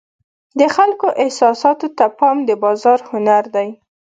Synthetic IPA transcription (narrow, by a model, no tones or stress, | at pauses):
d̪əxalkoʔɪhsɑsɑt̪ot̪apɑmd̪əbɑzɑɾhʊnaɾd̪aj